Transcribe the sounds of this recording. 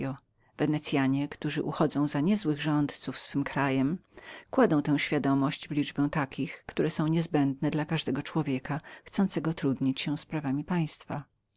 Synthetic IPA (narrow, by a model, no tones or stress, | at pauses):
ɔ | vɛnɛt̪sʲjaɲɛkt̪uʐɘʔuxɔd̪zɔ̃w̃zaɲɛzwɘɣʐɔnt̪t̪sufsfɘmkɾajɛmkwad̪ɔ̃w̃t̪ɛ̃w̃ɕfʲjad̪ɔmɔɕd͡ʑvlʲid͡ʐbɛ̃w̃t̪akʲixkt̪uɾɛsɔ̃w̃ɲɛzbɛnd̪nɛd̪lakaʐd̪ɛɡɔt͡ʂwɔvʲjɛkaxt̪sɔnt̪sɛɡɔt̪ɾud̪ɲit͡ɕɕɛ̃spɾavamʲipaj̃st̪fa